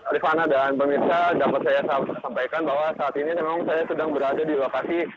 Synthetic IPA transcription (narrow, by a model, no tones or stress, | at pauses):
aɾifanadanpəmirsadapat̪̚sajasasampajkanbaɦwasaːt̪inisɛmemaŋsajasədaŋbəɾadadilokasi